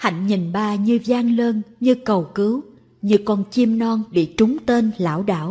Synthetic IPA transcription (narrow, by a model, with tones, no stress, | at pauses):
ha̰˧˨jŋ̟ɲi˨˩nɓaː˧˩ɲɨ˧zaː˧ŋləː˧nɲɨ˧kə˨˩wkɨ˨˦w | ɲɨ˧˩kɔ˧˩nt͡ɕi˧əmnɔ˧nɓḭ˧˨t͡ɕʊ˨˦ŋ͡mt̪e˧nla̰ː˧˥wɗa̰ː˧˥w